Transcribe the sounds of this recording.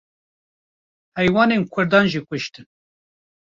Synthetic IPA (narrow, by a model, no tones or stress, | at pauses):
hɛjwɑːnenkʰʊɾd̪ɑːnʒikʷʊʃt̪ɨn